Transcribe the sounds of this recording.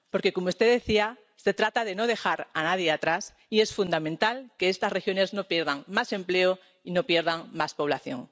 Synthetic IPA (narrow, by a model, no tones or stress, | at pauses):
po̞ɾke̞ko̞moust̪eðe̞θia | se̞t̪ɾat̪að̞e̞no̞ð̞e̞xaɾanað̞jeat̪ɾas | ie̞sfund̪amẽnt̪alke̞est̪asre̞xjo̞ne̞zno̞pje̞ɾðaŋmase̞mple̞o | ino̞pje̞ɾð̞aŋmaspo̞βlaθjo̞̰ŋ